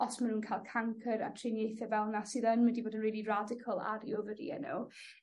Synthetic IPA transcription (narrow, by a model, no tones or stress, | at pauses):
ɔsmanhuːnkʰaːjlˠkʰaŋkʰəɾa̰tʰrɪnjejθɛvɛlˠnasɨːðənmədiboːdənriːlˠiradɪkʰəlˠa̰ɾiovədḭə̰nṵ